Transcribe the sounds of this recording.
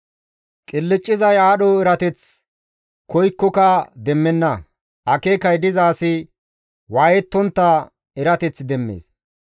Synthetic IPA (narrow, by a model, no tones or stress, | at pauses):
kʼɪlːɪt͡ʃʼːɪzɐjaːɗɔɛɾɐt̪ɛt͡s | kɔjkːɔkɐd̪ɛmːɛnːɐ | ʔɐkeːkɐjd̪ɪzaːsɪ | waːjɛt̪ːɔnt̪ːɐ | ɛɾɐt̪ɛt͡sd̪ɛmːḛːs